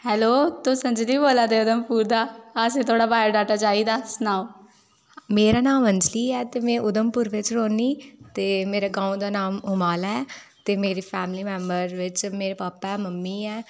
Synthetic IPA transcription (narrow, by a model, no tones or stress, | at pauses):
hɛːloːt̪ʊsənd͡ʒliːboːlãːd̪eːʊd̪əmpuːɾd̪aːasẽːt̪ʰoːɽaːbaːjəɖaːʈaːt͡ʃaːiːd̪aːsənaːõ | meːɾaːnaːməɲd͡ʒliːɛːt̪eːmɛ̃ːʔʊd̪əmpʊːɾʋɪt͡ʃɾoːniːt̪eːmeːɾaːɡãːũd̪aːnaːmʊmaːlɛːt̪eːmeːɾiːpʰɛːmliːmɛ̃ːmbəɾʋɪt͡ʃmeːɾeːpaːpaɛːməmːiːɛː